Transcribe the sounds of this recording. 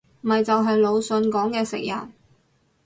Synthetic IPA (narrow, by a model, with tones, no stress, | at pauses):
m̩˨mɐ˨jt͡sɐ˨wɦɐ˨jlo˨˧wsɵ˨˧nkɔː˨˥ŋkɛː˧sɪ̰˨k̚jɐ̰˨˩n